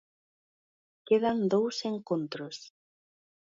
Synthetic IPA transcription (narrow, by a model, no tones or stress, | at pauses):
keðand̪owseŋkont̪ɾʊs